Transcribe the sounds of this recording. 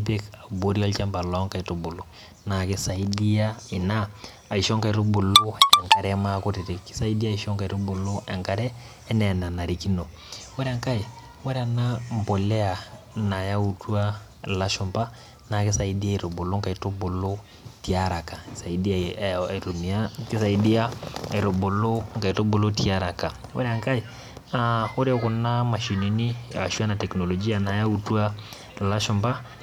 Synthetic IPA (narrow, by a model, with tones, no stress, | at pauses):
pe˦ka˨bo˦ɾi˦ɔ˦lt͡ʃa˦mba˨lɔ˦ŋka˨i˨tu˦bʊ˨lu˨ | na˨kɪ˦sa˨i˦di˦ja˦ɪ˨naː˦˨ | i˨ʃɔ˦ŋka˨i˨ɾu˦bu˨lu˦ɛ˨ŋka˨ɾɛ˦ma˦ku˦ɾi˨ɾi˦ksa˦i˦di˦a˦i˨ʃɔ˦ŋka˨i˨ɾu˦bʊ˨lʊ˦ɛ˨ŋka˨ɾɛː˦ | nɛ˨na˨na˨ɾi˨ki˦no˨ | wɛ˦ɾa˦ŋka˦i˨ | wa˦ɾa˨na˦mbo˨lɛ˦a˨ | na˨ja˦u˨tu˦a˦ | la˦ʃʊ˨mpa˦ | na˨kɪ˦sa˨i˨di˦a˦i˨ɾo˨bo˨lo˦ŋka˨i˨to˦bo˨lo˦ | ti˨a˦ɾa˨ka˨sa˨i˨di˦a˨ɾo˨mi˨a˦kɪ˦sa˨i˨di˦a˦i˨ɾo˨bo˨lo˦ŋka˨i˨tɔ˦bo˨lo˦ti˦a˦ɾa˨ka˨wa̰˦ɾɛ˦a˨ŋka˦i˨ | ao˦ɾe˦ɔ˦kɔ˨na˦ma˨ʃi˨ni˨ni˦a̰˨ʃu˦a˦na˨tɛ˨knɔ˨lɔ˨d͡ʒi˦a˨na˨ja˦u˦tu˦a˦ | la˦ʃɔ˦mba˦